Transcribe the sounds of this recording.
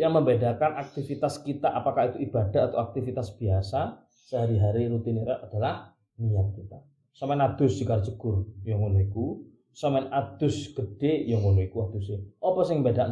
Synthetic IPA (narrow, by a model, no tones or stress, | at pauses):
jaŋməmbedakanʔak̚t̪ifit̪askit̪aʔapakahit̪uib̥a̤d̥a̤at̪awak̚t̪ifit̪asb̥iasa | səɦaɾiɦaɾiɾut̪iniɾaad̥alah | nijat̪̚kit̪a | samanad̪̥ʊsd̥ikard͡ʒəɡ̥ʊrjɔŋkunoiku | samanʔad̪̥ʊsɡ̥əɖ̥ejɔŋkonoikuad̪̥useɔpɔsɪŋmbeda